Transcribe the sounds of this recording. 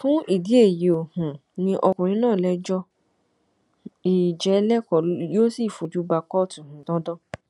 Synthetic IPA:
fũ˨˦ʔi˦˨di˨˦e˦˨je˨o˨hũ˨nĩ˧ʔɔ˧kũ˨ɾ̃ĩ˨˦nãː˦˨lɛ˨˦d͡ʒɔ˧ | i˨d͡ʒɛ˨˦lɛ˦kɔ˨ljo˦si˦˨fu˨˧d͡ʒu˨˦ba˧kɔ˦tũ˨hũ˨dɔ̃˨˦dɔ˦

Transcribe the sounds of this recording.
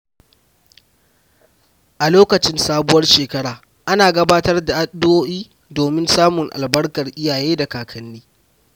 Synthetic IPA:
ʔa˨loː˦kɐ˨t͡ʃɪ˦nsaː˦bʊ˦wɐ˦rʃeː˨kɐ˦ɽaː˨ | ʔa˦naː˨ɡɐ˦baː˦tɐ˦rda˨ʔa˦ɗdʊ˦woː˦ʔiː˦ | doː˨mɪ˦nsaː˦mʊ˨ŋʔa̰˨lbɐ˦rkɐ˨rʔɪ˦jaː˨jeː˦da˨kaː˨kʰɐ˦nːiː˦

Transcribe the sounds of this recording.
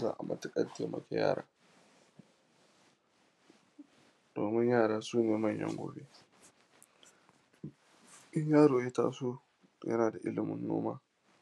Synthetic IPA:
a̰ː˦˨ʔa̰˨mʔɐ˦˨tɪ˦kʼɐ˦nteː˨mɐ̰˨kʲe˦ja̰ː˦˨ɾaː˦ | d̥oː˨mɪ˦ɲjaː˦˨ɽaː˦suː˦neː˨mɐ˦˨ɲjɐ̰˦ŋɡʷo̰ː˨be˦ | ʔɪ˦ɲjaː˦ɽoː˨jɐ˦taː˦soː˦ | jɐ̰˦naː˨da˨ʔɪ˦lɪ˨mʊ˨nːo̰ː˦maː˦

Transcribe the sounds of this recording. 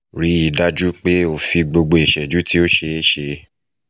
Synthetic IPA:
ɾi˨˦i˨da˦d͡ʒu˦k͡pe˦o˨fi˧ɡ͡bo˧ɡ͡bo˧e˨ʃɛ˨d͡ʒu˨˦ti˦o˦ʃe˧e˦ʃe˧

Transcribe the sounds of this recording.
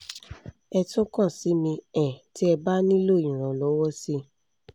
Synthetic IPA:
ɛ˧to˦kã˦˨si˨˦mĩ˧ɛ̃˨ti˦ɛ˧ba˦nĩ˦lo˦˨ĩ˨ɾ̃ɔ̃˨lɔ˨˦wɔ˦si˦

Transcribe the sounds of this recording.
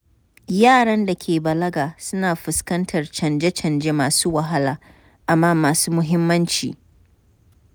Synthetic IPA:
jaː˦˨ɽɐ˦nda˨kʲʰeː˨bɐ˨lɐ˦ɡaː˨sʊ˦naː˨ɸʊ˨skɐ˦ntʰɐ˨rt͡ʃɐ˨nd͡ʒe˦t͡ʃɐ˨nd͡ʒeː˦maː˨suː˦wɐ˨ɦa˦laː˨ | ʔa˨mːaː˦maː˨suː˦mʊ˦ɦɪ˦mːɐ˦nt͡ʃḭː˨

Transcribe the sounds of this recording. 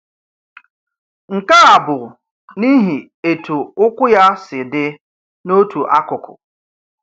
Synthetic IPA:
ŋ̩˨ka˦a˨bʊ˨ | ni˦ɦi˨ | e˨tʰu˨ʊ˦kʷʊ˦ja˦sɪ˨dɪ˦ | no˦tʰu˨ʔa˦kʊ˨kʊ̰˨

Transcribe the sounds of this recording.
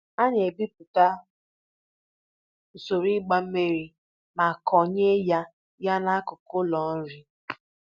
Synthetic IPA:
a˦ɲe˨bi˦pʊ˨ta˦ | o˨so˨ɾi˦ɡ͡ba˦m̩˦me˦ɾi˨ | ma˨kʰɔ˨ɲe˦ja˦ | ja˦na˦a˦kʊ˨kʊ˦lɔ˨n̩˦ɾi˦

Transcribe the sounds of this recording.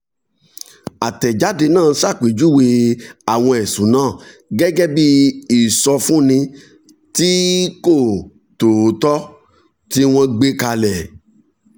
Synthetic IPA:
a˨tɛ˨d͡ʒa˨˦de˧nãː˦˨˦sa˦˨k͡pe˨d͡ʒu˦˨we˧a˨w̃ɔ̃˧e˨sũ˨˦nãː˦˨ | ɡɛ˦ɡɛ˦bi˦i˦˨sɔ˧fũ˦nĩ˧ | ti˦ko˦˨ | to˨˦tɔ˦ | ti˦w̃ɔ̃˧ɡ͡be˦ka˧lɛ˨

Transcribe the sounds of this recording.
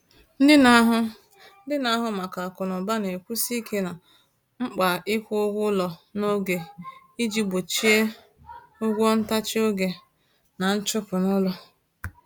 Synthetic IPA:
n̩˦dɪ˦na˦ɦʊ˦ | n̩˦dɪ˦na˦ɦʊ˦ma˨ka˨a˨kʊ˨nʊ˨ba˦ne˨kʷu˦si˦kʰe˦na˨ | ŋ͡m̩˦k͡pa˨ɪ˦kʷʊ˦ʊ˦ɡʷʊ˦lɔ˨no˦ɡe˨ | i˦d͡ʒi˦bo˨t͡ʃi˦e˦ | ʊ˦ɡʷɔ˦n̩˦ta˦t͡ʃɪ˦o˦ɡe˨ | na˨n̩˦t͡ʃʊ˦pʊ˨nʊ˦lɔ˦

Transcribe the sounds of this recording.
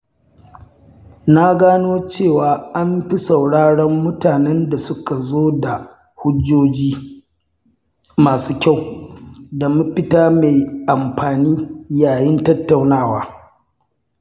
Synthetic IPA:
na˦ɡaː˦noː˦t͡ʃeː˦˨waː˨ʔa˦mɸi˦sa˨wɽaː˦ɽɔ˦mːʊ˦taː˨nɛ˦nda˨sʊ˦ka˨zoː˦da˨ | hʊ˦d͡ʒoː˦d͡ʒiː˦ | maː˨suː˦kʲa˦˨w | da˨mu˦ɸɪ˦taː˦me˨ʔa˨mɸaː˨niː˦jaː˨jɪ˦ntɐ˦tːa˨wnaː˦˨waː˦

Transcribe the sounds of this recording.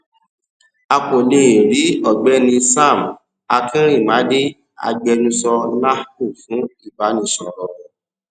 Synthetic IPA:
a˧ko˨le˦˨ɾi˨˦ɔ˦˨ɡ͡bɛ˦nĩ˧sa˦˨m˨ | a˧kĩ˦ɾ̃ĩ˦˨mã˨˦de˦ | a̰˧ɡ͡bɛ˧nũ˧sɔ˧na˦hku˦˨fũ˨˦i˦˨ba˨˦nĩ˧˦sɔ˨ɾɔ˨

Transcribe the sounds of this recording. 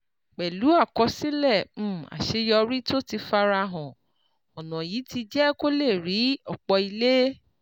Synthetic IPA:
k͡pɛ˨lu˨˦a˦˨kɔ˧si˦lɛ̃˦˨˦a̰˨ʃe˧˦jɔ˧ɾi˦to˦ti˧fa˧ɾa˧ɦɔ̃˨ | ɔ˨nɔ̃˨jiː˨˦ti˧d͡ʒɛ˦ko˦le˦˨ɾi˨˦ɔ˦˨k͡pɔ˧i˧le˦

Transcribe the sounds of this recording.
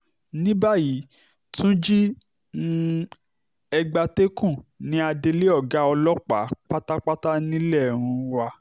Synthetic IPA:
nĩ˦ba˦ji˨˦ | tũ˦d͡ʒi˦ | ɛ˧ɡ͡ba˧te˦kũ˦˨nĩ˨˦a˧de˧le˦ɔ˦˨ɡa˨˦ɔ˧lɔ˦k͡pa̰˨˦k͡pa˦ta˦k͡pa˦ta˦nĩ˦lɛ˦˨ɾ̃ũ˧wa˧

